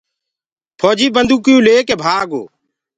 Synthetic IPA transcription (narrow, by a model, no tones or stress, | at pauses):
pʰoːd͡ʒiːbənd̪uːkɪjũːleːkeːbʱaːɡo̰ː